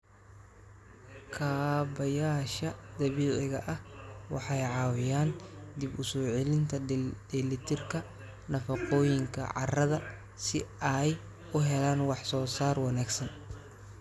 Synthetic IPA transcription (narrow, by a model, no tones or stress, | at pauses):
kʰaːbɐjaːʃɐd̪̥ɐβiːʕɪɣɐʔɐhwɑ̰ħɑjʕɑːwɪjaːnd̪ibʊsɔːʕɛlɪnt̪ʰɐd̪ɛlɪt̪ʰɪrkʰɐ | nɐfɑqɔːjɪŋkʰɐ̰ʕɑ̰rɐðɐ | sɪ̰ɐj | ʊɦɛlaːnwɑħsɔːsaːrwɑnaːɡsɐn